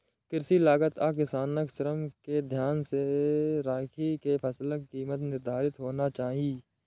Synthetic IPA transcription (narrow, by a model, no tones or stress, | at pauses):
kɪɾsilaːɡət̪aːkɪsaːnəksəɾəmked̪ʱjaːnseɾaːkʰikepʰəsləkːiːmət̪nɪɾd̪ʱaːɾɪt̪ɦoːnat͡ʃaːɦiiː